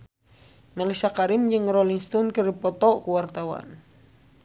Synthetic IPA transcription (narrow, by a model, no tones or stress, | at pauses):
malisakaɾimd͡ʒɨŋrɔliŋst̪ɔnkəripɔt̪ɔʔkuwart̪awa̰n